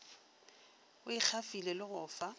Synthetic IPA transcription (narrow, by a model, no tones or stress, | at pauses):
ʊik͡xʰafilelɪɣʊːfa